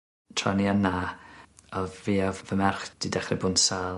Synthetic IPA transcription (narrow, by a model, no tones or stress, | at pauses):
tʰranjana | ɔvviavvəmɛrχd̥idɛχrɪbʊnsaː